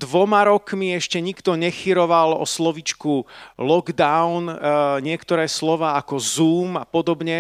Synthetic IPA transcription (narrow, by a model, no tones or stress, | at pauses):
d̪ʋɔmaɾɔkmiɛʃcɛɲikt̪ɔɲɛxiɾɔʋalɔ̰slɔʋit͡ʃkulɔɡd̪aʊnɲɪɛkt̪ɔɾɛːslɔʋaːakɔzuːmapɔd̪ɔbɲɛ